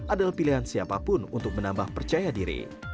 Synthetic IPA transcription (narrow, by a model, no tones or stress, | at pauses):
adalahpiliɦansiapapʊnunt̪ʊk̚mənambahpərt͡ʃajadiɾḭ